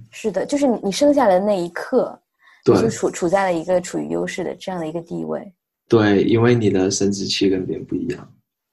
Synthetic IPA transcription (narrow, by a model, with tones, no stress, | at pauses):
ʂɻ̩˥˩d̪ə˩t͡ɕjo˥˧ʊʂɻ̩˥˩ni˨˩ni˨˩ʂɤ˥ŋɕ̬ja˥˩lə˩na˥˩ɪi˧˥kʰɤ˥˩ | t̪weo˥˩˥ʈ͡ʂʰu˨˩ʈ͡ʂʰu˨˩t͡sa˥˩ɪlə˩i˧˥ɡə˧ʈ͡ʂʰu˨˩y̰˥˧jo̰˥ʊʂɻ̩˥˩d̪ə̰˩ʈ͡ʂɤ˥˧jɑ˥˩ŋd̪ə˩i˧˥ɡə˧t̪ḭ˥˧wḛ˥˩ɪ | t̪we˥˩ɪi˥nwe˥˩ɪni˨˩d̪ə˦sə˥nt͡sɹ̩˥t͡ɕʰi˥˧kə˧˥npjɛ˧˥npu˥˩ḭ˧˥jɑ̰˥˩ŋ